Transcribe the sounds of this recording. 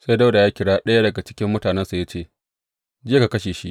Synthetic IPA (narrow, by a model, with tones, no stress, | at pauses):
sa˦jda˦wda˨jaː˦kʲɪ˦ɽaː˦ɗɐ˦ja˦dɐ˨ɡa˨t͡ʃɪ̥˦kʲɪ˦mːʊ˦taː˨nɛ˦nsa˨ja˦t͡ʃeː˦˨ | d͡ʒɪ˦ka˨kɐ˦ʃeː˨ʃḭ˦ʔ